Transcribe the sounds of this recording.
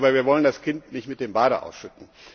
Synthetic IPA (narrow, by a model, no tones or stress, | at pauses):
bɐviːɐvɔləndaskɪntnɪçtmɪt̚d̥eːmbaːɾəʔa̰ʊsʃʏtn̩